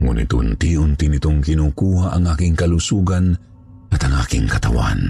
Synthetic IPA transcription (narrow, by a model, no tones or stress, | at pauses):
ŋṵːnɪ̰t̪ʊ̰nt̪iʊnt̪init̪ʊŋkɪnukuːɦaʔaŋʔaːkɪŋkalusuːɡan | at̪aŋʔa̰ːkɪŋkat̪a̰wa̰n